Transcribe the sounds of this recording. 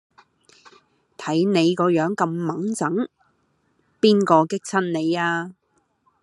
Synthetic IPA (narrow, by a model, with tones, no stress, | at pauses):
t̪ʰɐ˨˥jne˨˧jkɔː˧jœː˨˥ŋkɐ˧mːɐ˨˥ŋt͡sɐ˨˥ŋ | piː˥nkɔː˧kɪ˥k̚t͡sʰɐ˥nne˨˧jaː˧